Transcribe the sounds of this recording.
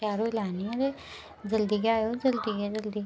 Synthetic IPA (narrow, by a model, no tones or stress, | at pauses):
aːɾoɪlaːniɾe | d͡ʒəld̪iːɡaːjoːd͡ʒəld̪iːɡed͡ʒəld̪iː